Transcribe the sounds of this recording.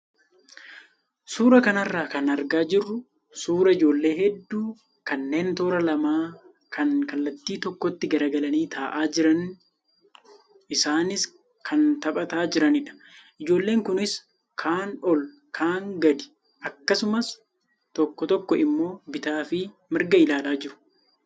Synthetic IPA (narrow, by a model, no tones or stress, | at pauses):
suːɾɐkɐnɐrːaːkɐnɐɾɡaːd͡ʒɪrːʊ | suːɾɐɪd͡ʒo̞ːlːe̞ːɦɛd̪ːuː | kɐnːe̞ːnt̪oːɾɐlɐmaː | kʰɐnkɐlːɐt̪ːiːt̪ɔkːɔt̪ːɪɡɐɾɐɡɐlɐniːt̪ʰaːʔaːd͡ʒɪɾɐn | ɪsaːnɪs | kʰɐnt̪ɐpʼɐt̪aːd͡ʒɪɾɐnɪᶑɐ̥ʔɪd͡ʒo̞ːlːe̞ːŋkʊnɪs | kʰaːnɔl | kʰaːŋɡɐd̪ɪ̥ | ʔɐkːɐsʊmɐs | t̪ɔkːɔt̪ɔkːɔɪmːo̞ːbɪt̪aːfɪ | mɪɾɡɐɪlaːlaːd͡ʒɪɾʊ̥